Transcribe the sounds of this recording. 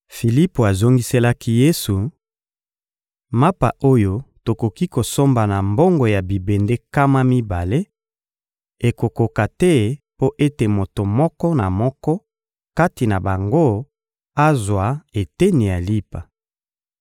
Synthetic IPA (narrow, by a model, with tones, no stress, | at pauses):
fi˨li˦po˨a˨zo˦ŋɡi˦se˦la˦ki˦je˦su˨ | ma˦pa̰˨ʔo˦jo˦to˨ko˨ki˦ko˨so˦mba˨na˨mbo˦ŋɡo˨ja˨bi˨be˨nde˦ka˦ma˦mi˦ba˨le˦ | e˨ko˨ko˨ka˨tɛ˦po˦ʔe˦te˨mo˨to˨mɔ˦kɔ˦na˨mɔ˦kɔ˦ | ka˦ti˨na˨ba˨ŋɡo˦ | a˦zwa˨e˨te˦ni˨ja˨li˦pa˨